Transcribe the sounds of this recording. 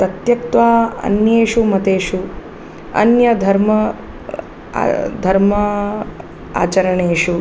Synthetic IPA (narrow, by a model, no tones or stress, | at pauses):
t̪ɐt̪jɐt̪ʋaːɐ̰njeːʂumɐt̪eːʃu | ɐ̰njɐd̪ʱɐɾmɐ | d̪ʱɐɾmɐ | a̰ːt͡ʃɐɾɐɳeːʂu